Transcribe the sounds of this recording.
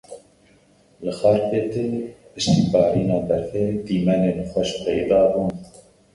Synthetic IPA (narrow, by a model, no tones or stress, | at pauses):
lɨxɑːɾpeːt̪epɨʃt̪iːbɑːɾiːnɑːd̪ɛɾfeːd̪iːmɛneːnxʷɛʃpɛjd̪ɑːbuːn